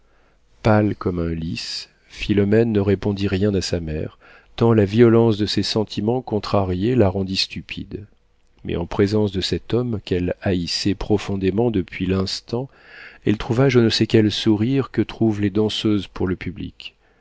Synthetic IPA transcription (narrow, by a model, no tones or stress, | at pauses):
palkɔmɛ̃lis | filɔmɛnːəʁepɔ̃d̪iʁjɛ̃d̪asamɛ̰ʁ | t̪ɑ̃laviɔlɑ̃sd̪əsesɑ̃t̪ʰimɑ̃kɔ̃t̪χaʁjelaʁɑ̃d̪ist̪ypʰḭd̪ | mɛ̰ɑ̃pχezɑ̃sd̪əsɛt̪ɔmkʲɛlaisɛpχɔfɔ̃d̪emɑ̃d̪əpʰɥilɛ̃st̪ɑ̃ | ɛlt̪χuvaʒənəsɛkʲɛlsuʁiʁkət̪χuvled̪ɑ̃søzpuʁləpʰyblḭkʲ